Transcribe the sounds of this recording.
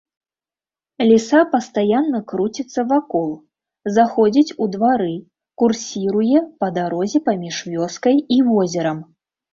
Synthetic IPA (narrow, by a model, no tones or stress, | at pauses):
lʲisapɐst̪ajanːɐkɾut͡sʲit̪sːɐvakɔlˠ | zaxɔd͡zʲit͡sʲud̪vaɾɨ | kursʲiɾujɛpɐd̪aɾɔzʲɛpamʲiʂvʲɔskɐjivɔzʲɛɾɐm